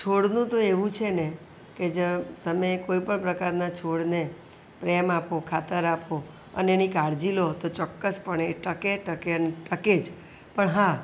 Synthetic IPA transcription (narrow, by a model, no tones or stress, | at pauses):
t͡ʃʰoɽnũt̪oeʋũt͡ʃʰene | ked͡ʒət̪əmekoipəɳpɾəkaɾnat͡ʃʰoɽne | pɾemapokʰat̪əɾapʰo | ə̰nenĩkaɽd͡ʒilot̪ot͡ʃɔkːəspəɳeʈəkeʈəkeəneʈəked͡ʒ | pəɳɦã